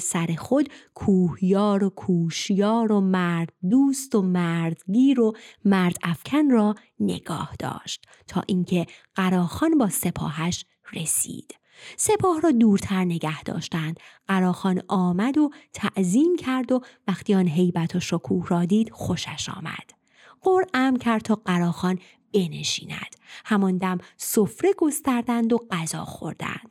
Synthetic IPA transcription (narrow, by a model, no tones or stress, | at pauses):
sæɾe̞xo̞d̪kʰuːhjɒːɾokʰuːʃjɒːɾo̞mæɾd̪̥̚d̪uːst̪omæɾd̪ɟiːɾo̞mæɾd̪̥æfcʰænrɒː | ne̞̰ɡ̥ɒ̰ːhd̪̥ɒ̰ːʃt̪ | t̪ʰːɒ̰ːʔiŋcʰe̞ɢ̥æɾɒːxɒːnbɒːse̞pʰɒ̰ːɦæʃ | resḭːd̪̥ | se̞pʰɒːhrɒːd̪uːɾt̪ʰæɾne̞ɡæhd̪̥ɒ̰ːʃt̪ænd̪̥ɢæɾɒːxɒːnɒːmæd̪o̞t̪ʰæʔziːmcʰæɾd̪o̞væxt̪iːɒːnɦe̞jbæt̪ʰoʃokʰuːhɾɒːd̪iːd̪̥xo̞ʃæʃɒ̰ːmæ̰d̪̥ | ɢoɾæmcʰæɾd̪̚t̪ʰɒːɢæɾɒːxɒːn | b̥e̞neʃḭːnæ̰d̪̥hæmɒnd̪æmsofɾeɡo̞st̪æɾd̪ænd̪o̞ɢæzɒ̰ːxo̰ɾd̪̥æ̰nd̪̥